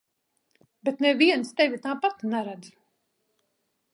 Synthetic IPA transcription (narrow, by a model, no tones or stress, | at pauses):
bɛt̪nɛviɛnst̪ɛvʲit̪aːpat̪nɛɾad̪z